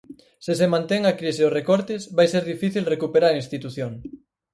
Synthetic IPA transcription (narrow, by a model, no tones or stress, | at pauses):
sɪsemãnt̪ɛŋakɾiseʊrekɔɾt̪ɪsβajseɾðifiθilrekupeɾaɾɐinst̪it̪uθjoŋ